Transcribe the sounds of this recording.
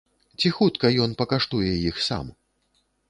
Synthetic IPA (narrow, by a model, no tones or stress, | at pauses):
t͡sʲixut̪kɐjɔnpɐkaʂt̪ujɛjixsa̰m